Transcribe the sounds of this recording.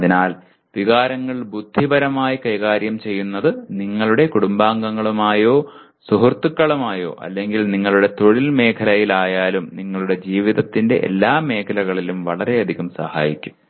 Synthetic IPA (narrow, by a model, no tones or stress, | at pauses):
ɐðinaːl | ʋiɣaːɾɐŋːɐɭbud̪ʱːibɐɾɐmaːjikɐjɣaːɾjɐmt͡ɕe̞jːunːɐðɨniŋːɐɭuɽe̞kuɽumbaːŋɡɐŋːɐɭumaːjo̞ː | suɦurt̪ːukːɐɭumaːjo̞̰ːʔɐ̰lːeŋɡilniŋːɐɭuɽe̞t̪o̞ɻilme̞ːkʰɐlɐjilaːjaːlumniŋːɐɭuɽe̞d͡ʑiːʋiðɐt̪ːinde̞̰ʔḛlːaːme̞ːkʰɐlɐɣɐɭilumʋɐɭɐɾe̞jɐd̪ʱiɣumsɐ̰ha̰ːjikʲːu̥m